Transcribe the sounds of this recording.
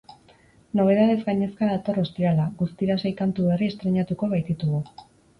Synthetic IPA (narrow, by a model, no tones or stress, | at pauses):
no̞β̞e̞ð̞aðe̞zɡaɲe̞skaðat̪o̞ro̞st̪iɾalaɣust̪iɾasejkant̪uβe̞riest̪ɾe̞ɲat̪uko̞βajt̪it̪uɣu